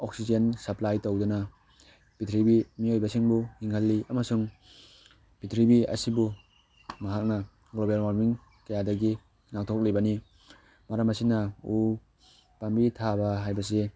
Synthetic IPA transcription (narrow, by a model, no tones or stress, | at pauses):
ok̚sid͡ʒensɐplajtowdɔna | bitʰɾibimiojbɐsiŋbuhiŋhalːiʔamasuŋ | bitʰɾibiɐ̰sibu | maɦak̚na | ɡlobalmaɾmiŋ | kɐjadɐɡi | naŋ̚tʰok̚lebani | maɾamasinau | pambitʰabaɦajbɐs̬e